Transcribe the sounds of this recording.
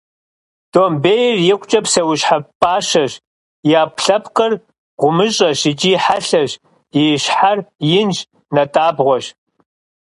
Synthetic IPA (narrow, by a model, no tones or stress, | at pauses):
d̥oːmbeːjrjɪkʷʼt͡ʃʼɐpsɐwʊɕħapʼaːʃɐʒ | jaːpʰɬɐpʰqʼɐr | ʁʷʊmɨɕʼɐʃɪd͡ʒiħaɬɐʑ | jiɕħarjɪnd͡ʒ | nɐtʼaːbʁʷɔɕ